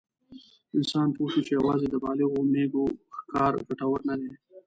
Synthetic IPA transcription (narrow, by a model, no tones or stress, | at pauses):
ɪnsɑːnpoʃut͡ʃejawɑːzed̪əbɑlɪɣomeɡoxkɑːɾɡaʈawəɾnad̪e